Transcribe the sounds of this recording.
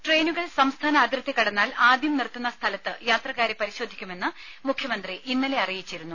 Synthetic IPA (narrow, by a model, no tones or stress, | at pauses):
ʈre̞ːnuɣɐɭsɐmst̪ʰaːnɐːd̪ʱɾɐt̪ːekːɐɽɐnːaːlaːd̪jɐmnirt̪ːunːɐst̪ʰɐlɐt̪ːɨjaːt̪rɐkːaːɾepɐɾiɕo̞ːd̪ʱikʲːume̞nːɨ | mukʰjɐmɐnd̪riʔinːɐle̞ɐrijit͡ɕːiɾunːu